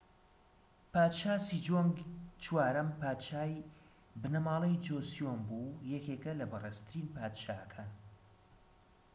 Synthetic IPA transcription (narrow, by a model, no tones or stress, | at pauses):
paːt̪ʃaːsid͡ʒoŋɡt͡ʃwaːɾɐmpaːt̪ʃaːj | bɨnɐmaːlˠɐjd͡ʒosjonbujɛkekɐlɐbɨreːst̪ʰɨɾinpaːt̪ʃaːʔɐkʰaːn